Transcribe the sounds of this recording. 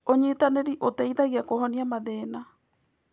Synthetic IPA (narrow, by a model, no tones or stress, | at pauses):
oɲetaneɾiʔotaiðaɣiakohɔniamaðeːna